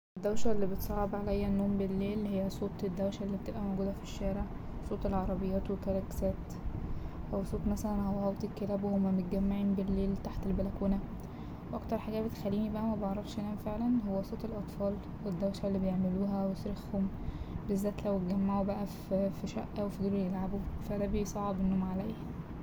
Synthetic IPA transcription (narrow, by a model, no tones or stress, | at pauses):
ʔed̪ːæwʃælːiːbet̪sˤɑʕebʕalæjːænːoːmbelːeːlhejːæsˤoːt̪ˤed̪ːæwʃælːiːb̚t̪ebʔæmoɡuːd̪æfiʃːæːɾeʕ | sˤoːt̪ˤelʕɑɾˤɑbejːæːt̪wekɑɾˤɑksæːt̪ | ʔæwsˤoːt̪ˤmæsælænhowːæhɑwt̪ˤikːelæːbwhomːæmot̪̚ɡæmːaʕiːnbelːeːlt̪aħt̪elbælækuːnæ | weʔɑkt̪ɑɾˤħaɡæːbet̪xælːiːnibæʔæmæbɑʕɾˤɑfʃʔenʔænæfeʕlænɦowːæsˤoːt̪elʔɑt̪ˤfɑːl | wed̪ːæwʃælːiːbejeʕmeluːɦæwesɾexhom | bezːæːt̪læwet̪̚ɡæmːaʕubæʔæffiʃæ̰ʔːæwefid̪eːlwejelʕabufæd̪æːbejsˤɑʕɑbenːoːmʕalæjhæ